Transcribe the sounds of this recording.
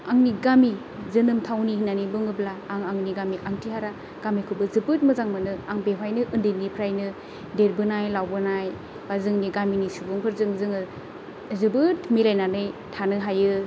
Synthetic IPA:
aŋniɡami | zɯnɯmtʰawnihinanibɯŋɯblaːŋaŋniɡamiʔaŋtʰiɦaɾa | ɡ̥amikʰɯbɯzɯbɯt̚mɯzaŋmɯnɯaŋbewajnɯʔɯndenːipʰɾajnɯ | deɾ̚bɯnajlawbɯnaj | bazɯŋniɡaminisubɯŋpʰɯɾzɯŋzɯŋɯ | zɯbɯtmilajnanɯjtʰanɯɦajɯ

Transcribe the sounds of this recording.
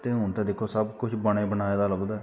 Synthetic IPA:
t̪eɦʊnt̪ẽːd̪ɪkʰːoːsəbkʊt͡ʃʰbəɽ̃eːbənaːeːd̪aːləbd̪a

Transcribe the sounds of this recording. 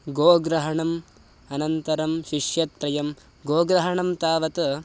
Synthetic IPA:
ɡoːɡɾɐɦɐɳɐm | ɐnɐnt̪ɐɾɐmʃiʂjɐt̪̚pɾɐjɐm | ɡoːɡɾɐɦɐɳɐmt̪aːʋɐt̪ɐ

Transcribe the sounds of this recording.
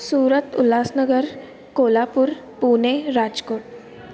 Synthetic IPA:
suːɾət̪ulaːsnəɡəɾ | koːlapuɾ | puːneɾaːd͡ʒkoːʈ

